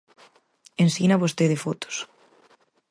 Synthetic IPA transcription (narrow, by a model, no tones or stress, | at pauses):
ensinaβost̪eðefot̪o̥s